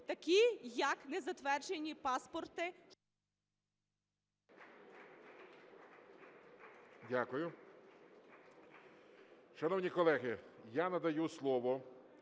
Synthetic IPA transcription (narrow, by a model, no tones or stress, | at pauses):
t̪ɐkʲijɐknɛzɐt̪ʋɛrd͡ʒenʲːipɑspɔrt̪ɪ | dʲakʊjʊ | ʃɐnɔwnʲikɔlˠɛɦɪjanɐd̪ɐjuslˠɔʋɔ